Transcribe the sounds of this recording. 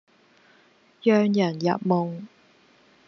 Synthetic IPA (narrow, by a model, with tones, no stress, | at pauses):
jœː˨ŋjɐ˨˩njɐ̰˨t̚mo˨˩ŋ